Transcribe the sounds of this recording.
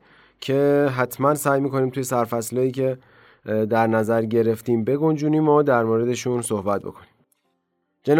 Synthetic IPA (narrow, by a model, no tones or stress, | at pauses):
cʰe̞ɦæt̪ʰmænsæːjmiːko̞niːmt̪ʰujesæɾfæslɒːiːcʰe̞ | d̪æɾnæzæɾɟe̞ɾe̞ft̪iːmbe̞ɡo̞nd͡ʒuːniːmɒːd̪æɾmoːɾe̞d̪e̞ʃuːnsohbæt̪̚bo̞̰kʰo̞ni̥m | d͡ʒen